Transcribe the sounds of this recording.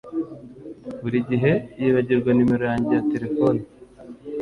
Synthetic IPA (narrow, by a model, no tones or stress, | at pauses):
βuɾiɟiɦe̞jeβaɟiɾɡwanume̞ɾo̞jaːɲɟe̞jate̞ɾe̞foni